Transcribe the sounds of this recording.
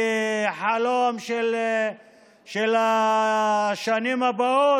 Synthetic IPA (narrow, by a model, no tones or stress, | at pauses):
ħalomʃel | ʃela | ʃanimabao